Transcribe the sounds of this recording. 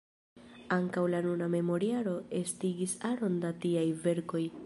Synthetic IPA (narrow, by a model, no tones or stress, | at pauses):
aŋkawlanuname̞mo̞ɾiaɾo̞e̞stiɡisaɾo̞ndatiajve̞ɾko̞j